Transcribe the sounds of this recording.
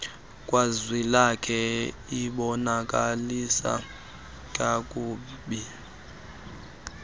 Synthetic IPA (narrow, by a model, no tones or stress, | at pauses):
kʼwazwilakʰɛ | iɓɔnakʼalisa̰ | kʼakʼuːɓi